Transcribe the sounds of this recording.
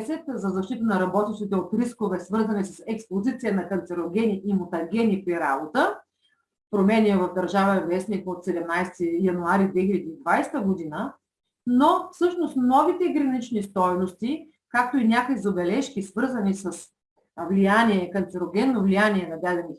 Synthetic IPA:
sɛt̪zɐzɐʃt̪it̪ənɐɾɐbɔt̪iʃt̪it̪ɛot̪ɾiskovɛsvɤɾzɐnisɐsɛkspozit̪sijənɐkɐnt̪sɛɾoɡʲɛniʔimot̪ɐɡʲɛnʲipɾiɾabot̪ə | pɾomɛniɛvɐvd̪ɐɾʒavəɛvɛsnikot̪sɛd̪ɛmnajst̪ijɐnuaɾid̪vɛxilʲɐd̪iːd̪vajsɛt̪əɡod̪inə | nofsɤʃnost̪mnɔvit̪ɛɡɾɐnit͡ʃnist̪ɔjnost̪i | kak̚t̪oinʲakoizɐbɛlɛʃkisvɤɾzɐnisəs | vlijaniɛkɐnt̪sɛɾoɡʲɛnːovlijaniɛnɐd̪ad̪ɛni

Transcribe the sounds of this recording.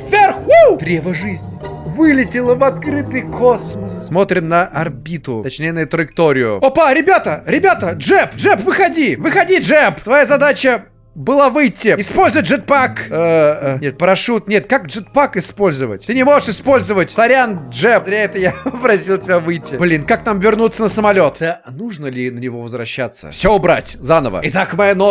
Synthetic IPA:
vvʲɪrxud̪ɾʲevəʐɨzʲnʲɪvɨlʲɪtʲɪlˠəvɐt̪kɾɨt̪ɨjkʰosməsmo̞t̪ɾʲɪmnəʔɐrbʲit̪ʊt̪ɐt͡ɕnʲejnɨjʊt̪ɾəɪk̚t̪o̞ɾʲɪjʊ̰opaɾʲɪbʲat̪əɾʲɪbʲat̪əʐɛpʐɛpvɨxɐdʲivɨxɐdʲiʐɛpt̪vɐjazɐd̪at͡ɕə | bɨlˠavɨjtʲːɪɪspolʲzʊvət̚ʲd͡ʒʐɨt̪̚pakənʲet̪̚pəɾɐʂut̪nʲet̪kakʐɨt̪̚pakɪspo̞lʲzəvə̰tʲt̪ɨnʲɪmo̞ʐɨʂɪspo̞lʲzəvətʲsɐɾʲanʐɛpzɾʲaɛt̪əjapɾɐsʲilˠtʲɪbʲavɨjtʲːɪblʲinkak̚t̪amvʲɪrnut̪sənəsəmɐlʲo̞t̪a | nuʐnəlʲɪnənʲɪvo̞vəzvɾɐɕːat̪sə̰fsʲoʊbɾa̰tʲzanəvə̰ɪt̪akmɐjano

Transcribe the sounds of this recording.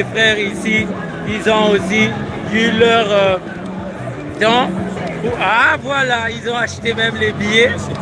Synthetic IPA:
efχɛʁisi | ilzɔ̃osi | ylœʁø | t̪ɑ̃uavwalailzɔ̃aʃt̪emɛmlebije

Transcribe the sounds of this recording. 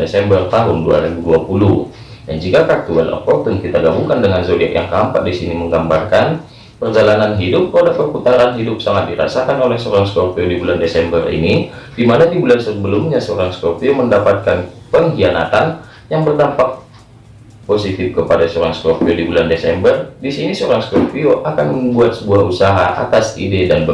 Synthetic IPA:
esɛmbərt̪aɦʊndua̰ɾibuduapulu | dand͡ʒikakat̪uɛlɔ̰pɔk̚t̪ənkit̪aɡabuŋkandəŋanzodia̰ʔja̰ŋkəɦampa̰ʔdisiniməŋɡambarkan | pərd͡ʒalananɦidʊp̚kəpadapərput̪aɾanɦidʊp̚saŋat̪̚diɾa̰sakanolɛhsəoɾaŋskopiodibulandesɛmbərḭnidimanadibulansəbəlʊmɲasəoɾaŋskopioməndapat̪̚kanpəŋɦiana̰t̪an | jaŋbərdampak̚ | posit̪ɪfkəpadasoɾaŋskopiodibulandesɛmbərdisinisoɾaŋskopioʔakanməmbuat̪̚səbuahusaɦaʔa̰t̪asḭdedanbə

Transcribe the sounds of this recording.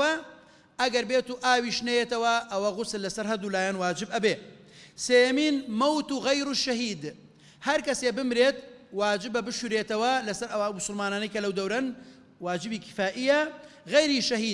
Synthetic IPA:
wɐ | ɐɡɐɾbeːt̪uʔaːwiːʃnɐjet̪ɐwɐʔɐwɐɣʊsɨlːɐsɐɾɦɐd̪uːlaːjanwaːd͡ʒɪbɐbeː | seːjɐmiːnmɐwt̪uːɣɐjɾuːʃɐɦiːd̪ | hɐɾkɐsebɨmɾeːt̪̚waːd͡ʒɪbɐbɨʃuɾeːt̪ɐwɐlɐsɐɾɐwamʊsʊlmaːnaːnɐjkɐlɐwd̪ɐwɾɐn | waːd͡ʒɨbiːkʰɪ̥faːʔijɐɣɐjɾiʃɐɦiː

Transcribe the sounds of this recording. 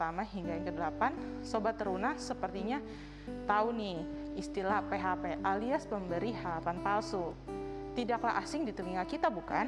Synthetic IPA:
t̪amaɦiŋɡajaŋkədəlapansobat̪ːəɾunahsəpərt̪iɲa | t̪auniist̪ilapeɦapeʔaliaspəmbəɾiɦapanpalsu | t̪idakla̰ʔasɪŋdit̪əmiŋalkit̪abuka̰n

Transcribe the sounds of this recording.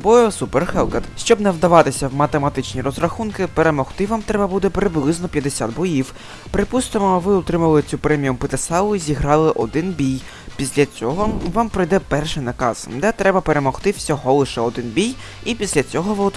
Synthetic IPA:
bɔjɔsuperxɛlˠkɐt̪ʃt͡ʃɔbnɐwd̪ɐʋɑt̪ɪsʲɐwmɐt̪emɐt̪ɪt͡ʃnʲiɾɔzrɐxunkɪpeɾemɔxt̪ɪʋamt̪ɾɛbɐbud̪ɛpɾɪblˠɪznɔpʲjɐd̪esʲad̪̚bɔjiw | pɾɪpust̪ɪmɔʋɪʊt̪ɾɪmɐlˠɪt͡sʲupɾɛmʲijumpɪt̪esɑlˠʊizʲiɦɾɑlˠɪʔɔd̪ɪnbʲij | pʲisʲlʲɐt͡sʲɔɦɔʋɑmpɾɪjd̪ɛpɛrʃɪjnɐkɑ̰z̥d̪ɛt̪ɾɛbɐpeɾe̞mɔxt̪ɪw̥sʲɔɦɔlˠɪʃɛɔd̪ɪnbʲij | ipʲisʲlʲɐt͡sʲɔɦɔʋɪʊ

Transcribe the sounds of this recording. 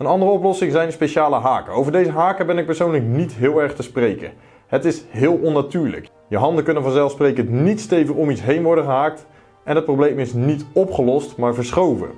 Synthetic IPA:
ənɑndərəɔplɔsɪŋzɛjnspejʃaːləɦaːkəowvəɹdejzəɦaːkəbɛnɪk̚pəɹsownləknitɦɪːlˠɛɹχtəsprejkə̰ | ɦətɪsɦɪːlˠɔnːatyːɹlə̰k | jəɦɑndəkɵnənvɑnzɛlˠfsprejkəntnitstejvərɔmitsɦejnʋɔɹdəχəɦaːk̚t | ɛnɦət̚problejmɪsnitɔpχəlɔstmaːɹvəɹsχowvə̰

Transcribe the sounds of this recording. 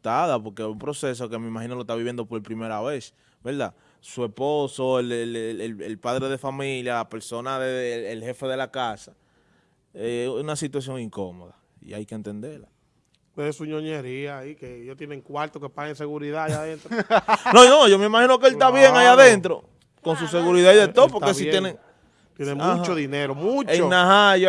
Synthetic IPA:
t̪aðapo̞ɾkeumpɾo̞se̞s̬oke̞meimaxinolot̪aβiβje̞nd̪o̞po̞ɾpɾimeɾaβe̞s | beɾða̰ | sue̞sposo̞elelelelpaðɾe̞ðe̞familjalape̞ɾso̞naðeːlhe̞fe̞ðe̞lakasa | eunasit̪was̬jo̞ŋiŋkomo̞ða | ḭa̰jkent̪end̪eɾla | weðesuɲoɲeɾiaikejot̪jeneŋkwaɾt̪okepaɣenseɣuɾiðajaðenɾononoʝo̞me̞imahino̞k̬eelst̪aβjeŋajaðe̞nt̪ɾo̞̰ | ko̞ns̬us̬e̞ɣuɾiðaiðet̪oopokeijeneŋ | t̪jenemmũt͡ʃoðineɾomũt͡ʃeonaɦaja

